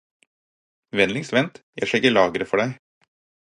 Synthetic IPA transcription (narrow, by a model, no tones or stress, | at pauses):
ʋɛnlɪŋsʋɛnt̪jæ̰ɪʂɛɡəɭɑːɡɾəfɔɖæɪ